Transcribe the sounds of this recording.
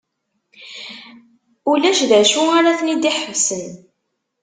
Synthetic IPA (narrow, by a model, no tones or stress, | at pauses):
ulæʃðæʃuaɾaθnid̪iħəvsən